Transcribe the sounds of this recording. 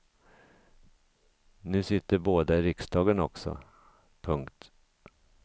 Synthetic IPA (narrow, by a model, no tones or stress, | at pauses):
nʉ̟ːsɪt̪ːəɾboːd̪aɪɾɪksd̪ɑːɡənɔ̰ksɔ̰ | pʰɵŋkt̪